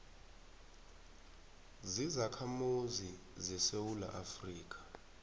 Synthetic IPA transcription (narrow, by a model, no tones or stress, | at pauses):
zizakʰamuzi | zɛsewula̰ʔafriːk̬ʰʼḁ